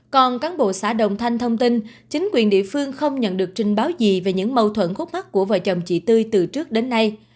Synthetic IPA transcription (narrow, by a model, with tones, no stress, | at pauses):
kɔ˨˩nkaː˨˦nɓo̰˧˨saː˧˩ɗə̰˧˨wŋ͡mt̪ʰa˧jŋ̟t̪ʰə˧wŋ͡mt̪i˧n | t͡ɕï˨˦ŋ̟kwi˨˩ənɗḭ˧˨əfɨ˧əŋxə˧wŋ͡mɲə̰˧˨nɗɨ˨˩ək̚t͡ɕï˨˩ŋ̟ɓaː˨˦wzi˨˩ve˨˩ɲɨ̰˧˥ŋmə˨˧˩wt̪ʰwə̰˧˥˨nxu˦˥t̚ma˦˥k̚ku˧˩əvə̰ː˧˨jt͡ɕə˨˩wŋ͡mt͡ɕḭ˧˩t̪ɨ˧jt̪ɨ˨˩t͡ɕɨ˦˥ək̚ɗe˨˦nːa˧j